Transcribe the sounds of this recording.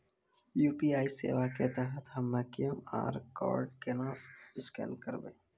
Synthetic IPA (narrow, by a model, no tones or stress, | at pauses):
juːpiaːisḛːʋaket̪əɦət̪ʰɦəmːekijəma̰ːɾkɔ̰ːɾɖkenãːsɪskɛ̰ːnkəɾbḛ̃ː